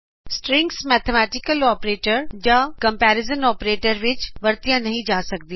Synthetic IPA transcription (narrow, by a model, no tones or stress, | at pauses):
sʈɾɪ̃ŋksmɛːt̪ʰemɛːʈɪkəlɔːpɾeːʈəɾd͡ʑakɐ̃mpɛːɾɪzənɔːpɾeːʈəɾʋɪt͡ɕʋɐɾt̪ijãnɐɦĩd͡ʑaːsɐkʰd̪ija